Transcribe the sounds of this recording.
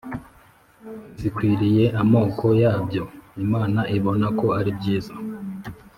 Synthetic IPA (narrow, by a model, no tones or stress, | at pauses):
zikwiːɾije̞ʔamo̞ːkʰo̞jaːbjo̞imaːnaʔiβo̞nako̞aɾibɟiːza